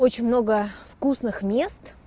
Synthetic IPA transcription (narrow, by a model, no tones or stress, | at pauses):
ot͡ɕɪnʲmno̞ɡəfkusnɨxmʲest̪